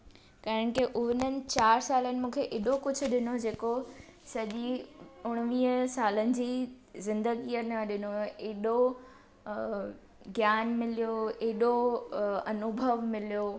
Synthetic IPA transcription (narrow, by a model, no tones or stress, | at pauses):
kɐɦɪɽ̃ɪ̆kiʔʊɦɪnənɪ̆t͡ɕaːɾsaːlənɪ̆mũːkʰeʔeːɗokʊd͡ʑʱʊɗɪnod͡ʑeːkosɐʄiʊɽ̃ʋiːɦəsaːlənɪ̆d͡ʑiː | zɪ̃nd̪əɡijənɐɗɪnoeːɗo | ɡjaːnmɪlijoːeːɗo | ɐnʊbʱəʋmɪlijoː